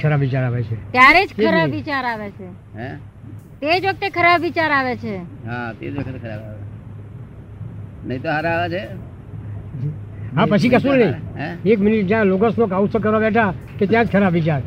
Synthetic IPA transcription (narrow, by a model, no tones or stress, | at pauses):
kʰəɾabʋit͡ʃaɾaʋet͡ʃʰet̪jaɾed͡ʒkəɾabʋit͡ʃaɾaʋet͡ʃʰe | ɦɛ̃ | t̪ed͡ʒʋək̚t̪ekʰəɾabʋit͡ʃaɾaʋet͡ʃʰeɦãt̪ḛd͡ʒʋəkt̪ekʰəɾabaʋe | nəɦĩt̪oɦaɾaaʋat͡ʃʰe | ɦãpət͡ʃʰikəsũnəĩekmɪniʈ̚d͡ʒjãloɡəsnokausək̬əɾʋabɛʈʰa | ket̪jãd͡ʒkʰəɾabʋit͡ʃaɾ